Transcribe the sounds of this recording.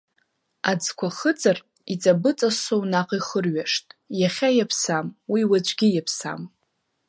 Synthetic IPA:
ad͡zkʷʰaχət͡sʼar | it͡sʼabɨt͡sʼasownaqʼiχərɥaʂtʼjaχʲajapʰsamwiwad͡ʒʷʰʼɡʲijapʰsa̰m

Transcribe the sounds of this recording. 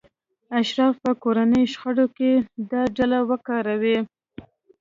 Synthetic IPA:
aʃɾɑfpəkoɾanəjʃxəɽoked̪ɑɖalawəkɑɾawi

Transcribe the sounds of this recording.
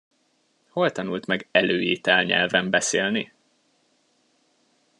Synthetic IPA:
ho̞lt̪ɒnult̪mɛɡɛløːeːt̪ɛlɲɛ̰lvɛmbɛseːlni

